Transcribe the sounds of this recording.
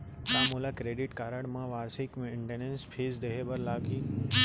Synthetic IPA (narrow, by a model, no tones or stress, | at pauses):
maːmuːlakɾeːɖɪʈkaːɾəɽmãʋaːɾsɪkmẽɳʈeːnẽnspʰeːzd̪eɦebɐɾlaːkiː